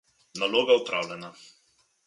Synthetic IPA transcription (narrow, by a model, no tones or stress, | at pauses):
naloːɡaupɾa̰ːwlʲɛna